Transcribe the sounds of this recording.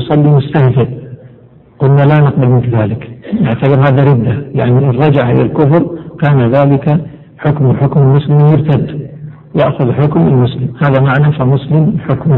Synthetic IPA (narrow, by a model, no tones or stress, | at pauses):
sˤɑlːimʊst̪ahfɪɾ | qʊlnalanɪq̚balmɪnfiðaːlɪknɪʕt̪abɨɾhaːðaɾɪd̪ːajaʕniʔrˤːɑd͡ʒaʕʔɪ̰lalkʊfɾˤkaːnaðaːlɪka | ħʊkmħʊkmɪlmʊslɪmjɪɾt̪ad̪ː | jɪʔxʊðħʊkmɪlmʊslɪmhaːðamaʕnafimʊslɪmħʊkm